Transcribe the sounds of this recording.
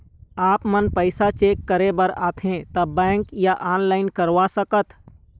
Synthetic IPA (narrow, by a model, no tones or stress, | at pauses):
aːpmənpəɪsat͡ʃeːkːəɾebəɾaːt̪ʰẽt̪ɐbɛ̃ːŋkjaʔaːnlaːɪnkəɾʋasəkət̪ʰ